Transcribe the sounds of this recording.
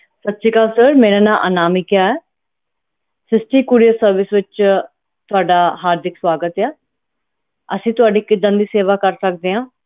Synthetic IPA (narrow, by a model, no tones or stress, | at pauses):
sət̪ːsiːkaːlsəɾmeːɾẽːnaːʔə̰naːmiːkɪjaːɛː | sɪsʈiːkuːɾijəsəɾʋɪsʋɪt͡ʃ | t̪ʊaːɖaːɦaːɾd̪ɪkswaːɡət̪ɛː | əsĩːt̪ʊaːɖiːkɪd̪ə̃nd̪iːseːʋaːkəɾsəkd̪eːɦãː